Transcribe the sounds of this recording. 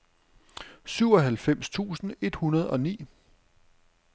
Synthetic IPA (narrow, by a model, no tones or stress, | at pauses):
syʊ̰ɒ̽ɦælfem̰st͡sʰṵːsn̩e̝d̥hunɐð̞̩ˠɒ̽nḭː